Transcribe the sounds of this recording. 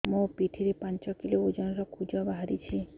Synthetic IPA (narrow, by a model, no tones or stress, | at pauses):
mũpiʈʰiɾepant͡ʃɔkiloud͡ʒɔnɔɾɔkʰud͡ʒɔbaɦaɾit͡ʃʰi